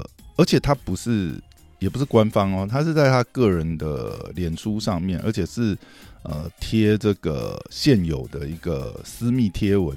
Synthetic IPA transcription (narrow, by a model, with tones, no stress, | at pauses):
ə˞˧˥t͡ɕʰjɛ˨˩t̪ʰa˦˥pu˧˦ʂɻ̩˥˩ | jɛ˨˩pu˦ʂɻ̩˥˩kwa˦nfɑ˦ŋɔ˧t̪ʰa˦ʂɻ̩˥˧t͡sa˥˩ɪt̪ʰa˥kɤ˥˩ɻə˧˦nd̪ə̰˧ljɛ˨˩nʂu˦ʂɑ˥˧ŋmjɛ˥˨nʔə̰˧˥t͡ɕʰjɛ˨˩ʂɻ̩˥˩ə̰˨˩t̪ʰjɛ˥ʈ͡ʂə˥˩ɡ̥ə̰˩ɕjɛ˥˩njo˨˩ʊd̪ə˦i˧˥ɡ̥ə̰˨sɹ̩˥mi˥˩t̪ʰjɛ˥wə˦n